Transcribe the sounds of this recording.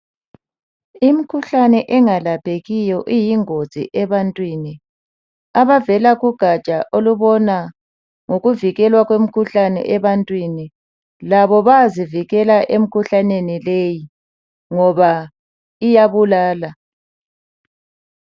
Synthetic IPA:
imikʰuɬanɛʔɛŋalapʰeɣijɔʔijiŋoz̥ʱḭʔɛβantʼwiːni | aβavɛlaɣuɡ̥ʱat͡ʃʼaʔoluβɔna | ŋoɣuviɣɛlwaɣwem̩kʰuɬanɛ̰ʔɛβantʼwini | laβɔβaziviɣɛlaʔem̩kʰuɬanenileji | ŋɔβa | ijaβulaːla

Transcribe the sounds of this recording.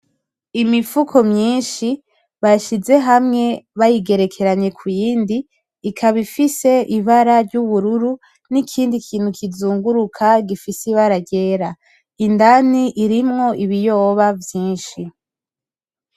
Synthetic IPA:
imifukʰomɲiːnʃi | βaʃize̞ɦamŋe̞βajiɡe̞ɾe̞kʰe̞ɾaɲe̞kʰujiːndiː | kʰaβifise̞ʔiβaɾaɾɟuβuɾuɾu | nikʰiːndikʰiːn̥hukʰizuːŋɡuɾukʰaɡifisiβaɾaɟe̞ːɾa | indaniʔiɾimŋo̞ʔiβijo̞ːβavjiːnʃi

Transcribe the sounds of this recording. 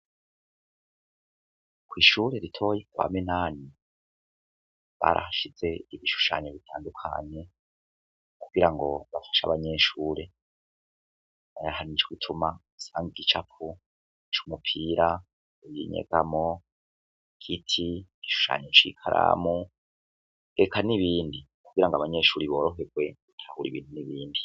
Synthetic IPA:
kwiːʃuːɾe̞ɾitʰo̞ːjekuβa̰minaːni | βaːɾa̰hʃiz̥e̞iβiʃu̥ʃa̰ːɲeβitʰaːndukʰa̰ɲe̞ | kuɡ̥iɾaŋɡo̞βafḁʃa̰βaɲe̞ːʃuːɾe̞ | ajahanit͡ʃoɡitʰuma | saːŋɡiɡit͡ʃapu | t͡ʃumupʰiːɾa | ejiɲḛɡ̥amo | kʰitʰi̥iʃu̥ʃa̰ːɲet͡ʃikʰaɾʔa̰mu | ekʰaniβiːndi | kuɡ̥iɾaŋɡoaβaɲe̞ːʃuːɾiβo̞ːɾo̞ɦe̞ɡwe̞utʰahuɾiβiːn̥huniβiːndi

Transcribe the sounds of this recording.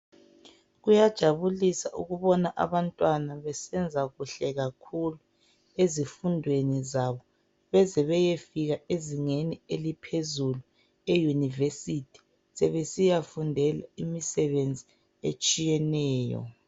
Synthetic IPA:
ɣujad̥ʒ̥ʱaβulisaʔṵɣuβɔnaʔa̰βantʼwanaβɛsɛnd͡zʱaɣuɬɛɣakʰulu | ezifundʱwenizaβɔ | βɛzɛβɛjefiɣaeziŋenielipʰezulu | ejunivesitʰi̥ | sɛβesijafundʱɛlaimisɛβend͡zʱi | et͡ʃʼijɛnɛːjɔ̰

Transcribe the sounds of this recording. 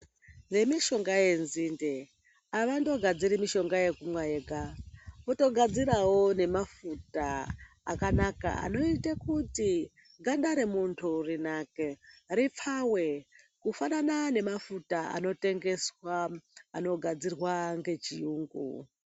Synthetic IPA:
ŋɡe̞miʃo̞ŋɡaje̞nzinde | aʋando̞ɡʱad͡ziɾimiʃo̞ŋɡaje̞kumwajeɡʱaoto̞ɡʱad͡ziɾawo̞ne̞mafutaː | kanaka̰a̰no̞itekuti | ŋɡaɗaɾemuntʰurinakerip͡fʰawe̞ | kufananane̞mafutaa̰no̞te̞ŋɡe̞swaːno̞ɡʱad͡zirwaŋɡe̞t͡ʃijuːŋɡṵ

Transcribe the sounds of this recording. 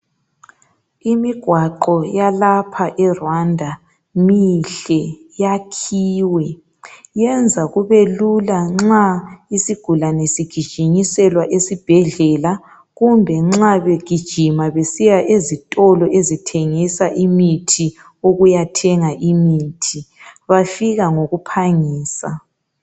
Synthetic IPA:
imiɡ̥ʱwaǃɔjalapʰaʔɛrwandʱa | miɬɛjakʰiːwɛ | jɛnd͡zʱaɣuβelulaŋ͡ǁaisiɡ̥ʱulanesiɡ̥ʱid̥ʒ̥ʱiɲisɛlwaʔesib̥ʱɛɮɛːla | ɣumbʱɛŋ͡ǁaβeɡ̥ʱid̥ʒ̥ʱimaβesijaʔezitʼɔlɔʔezitʰeŋisaʔimitʰi | oɣujatʰɛŋaʔimitʰiβafiɣaŋoɣupʰaŋiːsa

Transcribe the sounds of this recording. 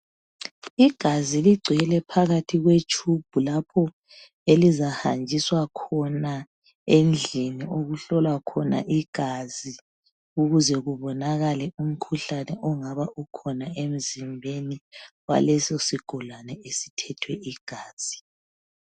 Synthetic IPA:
iɡ̥ʱaziliɡ͡ǀʱɛlɛpʰaɣatʰiɣwet͡ʃʰub̥ʱulapʰɔ | elizahand͡ʒʱiswakʰɔna | end͡ɮʱiniʔoɣuɬɔlwakʰɔna̰ʔiɡ̥ʱazi | uɣuzɛɣuβɔnaɣalɛum̩kʰuɬanɛʔɔŋaβaʔukʰɔnaem̩zimbʱeniwa̰lɛsɔsiɡ̥ʱɔlanɛesi̥tʰɛtʰwɛʔiɡ̥ʱaːz̥i

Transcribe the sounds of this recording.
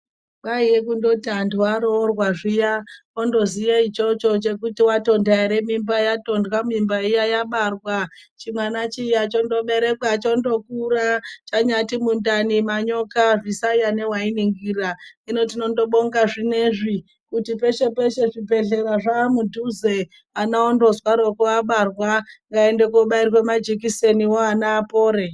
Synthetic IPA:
ɓaijekundo̞tiantʰuwaɾorwaʐija | ondo̞zijait͡ʃo̞t͡ʃo̞t͡ʃe̞kutiwato̞ndaiɾe̞mimbajato̞ndwamimbaijajaɓarwat͡ʃimwanat͡ʃijat͡ʃo̞ndo̞ɓe̞ɾe̞kwat͡ʃondo̞kurat͡ʃaɲatimundanimaɲo̞kaʐisaijane̞wainiŋɡiraino̞tino̞ndo̞ɓoŋɡaʐine̞ʐi | kutipe̞ʃe̞pe̞ʃe̞ʐipe̞ɮe̞ɾaʐamudʱuze | anaondo̞zwaɾo̞kuaɓarwaŋɡaendekoɓairwe̞mad͡ʒik̬ise̞niwoanaːpo̞ːɾe̞

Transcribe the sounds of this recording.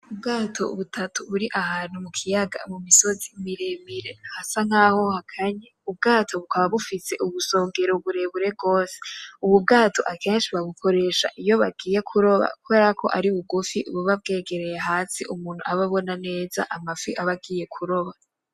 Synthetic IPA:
ubɡaːtʰo̞̰ṵβutʰatʰuβuɾiʔahaːn̥umukʰijaɡa̰mumiso̞zimiɾemiɾe̞ahasaŋaːho̞hakʰaɲeub̚ɡaːtʰo̞βukaβaβufise̞ʔuβuso̞ːŋɡe̞ɾouβuɾe̞βuɾe̞b̚ɡo̞ːse̥uβubɡaːtʰo̞̰ʔakeːnʃiβaɡukʰo̞ɾe̞ːʃa̰ʔijo̞βaɡiːje̞kʰuɾo̞βa̰kuβe̞ːɾakʰo̞̰ʔaɾiβuɡufiʔṵβuβab̚ɡe̞ːɡe̞ɾejeɦaːsiʔumuːn̥huaβaβo̞nane̞ːza̰ʔamafiʔaβaɡiːje̞kʰuɾo̞βa

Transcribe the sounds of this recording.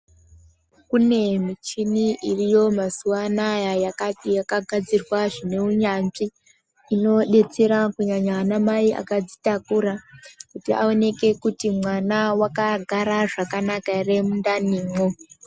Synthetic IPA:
kune̞mit͡ʃiniʔirijo̞masuwanajajakatijakaɡʱad͡zirwaʐine̞uɲanʐiː | no̞ɗe̞t͡seɾakuɲaɲanamaiʔa̰kad͡zitakuɾakutia̰o̞ne̞ke̞kutimwanawakaɡʱaɾaʐakanakare̞mundaniːmo

